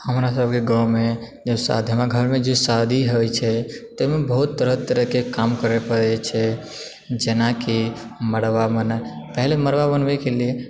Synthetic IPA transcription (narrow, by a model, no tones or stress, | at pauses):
həmɾasəb̚ʱkeɡawme | d͡ʒesa̰d̪ʱjəmaɡʱəɾmẽd͡ʒesad̪ʱiɦojt͡ʃʰɛt̪emebəɦut̪ːəɾəɦt̪əɾəɦkekamkəɾepəɽɛt͡ʃʰɛ | d͡ʒenaki | məɽʋamənəpəɦleməɽʋabənʋekelie